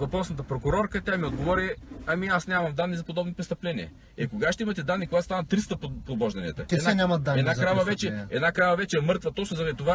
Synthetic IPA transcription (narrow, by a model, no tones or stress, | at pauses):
vɐpɾɔsnɐt̪əpɾokʊɾɔɾkət̪ʲamiod̪ɡovɔɾiɐmiasnʲamɐmd̪anːizɐpod̪ɔbnopɾɛst̪ɐplɛniɛ̰ | ɛkoɡaʃt̪ɛimɐt̪ɛd̪anːikoɡaost̪anɐt̪ːɾist̪əppobɔʒd̪ɐnʲiə̰t̪ɐɛdnanʲamɐd̪aɛd̪nakɾavɐvɛt͡ʃɛɛ̰d̪nakɾavɐvɛt͡ʃɛɛmɤɾt̪vɐt̪ɔt͡ʃnʊzɐɾɐd̪it̪ova